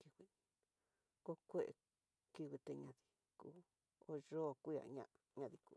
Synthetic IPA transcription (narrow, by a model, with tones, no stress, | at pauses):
ki˧wi˧ | ko˦kʷe˦ʔḛ˧ | ki˧wi˧t̪e˧ɲã˧ði̥˧ | kuː˦ | o˧˦ʒo˦˨ku˦ja̰˨ɲã̰˧ʔɲã˧ði˧kuː˧˨